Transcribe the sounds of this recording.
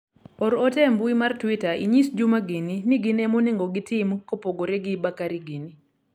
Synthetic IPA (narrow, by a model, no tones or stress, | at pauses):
ɔɾɔtɛmbuimartwitaʔiɲisd͡ʒumaɡininɪɡɪnɛmonɪŋɡoɡɪtɪmkopoɡoɾeɡɪbakaɾiɡini